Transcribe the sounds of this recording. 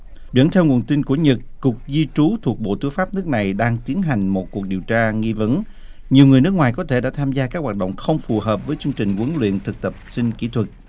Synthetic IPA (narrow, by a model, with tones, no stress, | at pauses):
zə̰˧˥˦nt̪ʰɛ˧wŋu˨˩ənt̪i˧nku˧˩əɲə˨˩t̚kʊ˨˩ək̚zi˧t͡ɕu˨˦t̪ʰu˨˩ək̚ɓo̰˧˨t̪ɨ˨˦jfaː˦˥p̚nɨ˦˥ək̚na˨˩jɗaː˧ŋt̪i˨˦ənɦa˨˩jŋ̟mo˨˩t̚ku˨˩ək̚ɗi˨˩əwt͡ɕaː˧ŋi˧və˨˦n | ɲi˨˩əwŋɨ˨˩əjnɨ˦˥k̚waː˨˩jkɔ˨˦t̪ʰe˧˩ɗa̰ː˧˥t̪ʰaː˧mzaː˧kaː˦˥k̚waː˨˩t̚ɗə̰˧˨wŋ͡mxə˧wŋ͡mfu˨˩ɦəː˨˩p̚vəː˨˦jt͡ɕɨ˧əŋt͡ɕï˨˩ŋ̟kə˨˦ŋlwḭ˧˨ənt̪ʰɨ˨˩k̚t̪ə˨˩p̚sï˧ŋkḭ˧˥t̪ʰwə˨˩t̚